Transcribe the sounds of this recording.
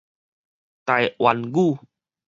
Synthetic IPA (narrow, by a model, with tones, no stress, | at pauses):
t̪a˨jwa˧nɡu˥˦˨